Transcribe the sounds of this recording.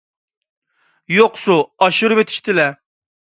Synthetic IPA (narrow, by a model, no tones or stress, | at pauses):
joqsuɑʃuɾvet̪ʰi̥ʃt̪ʰɪlɛ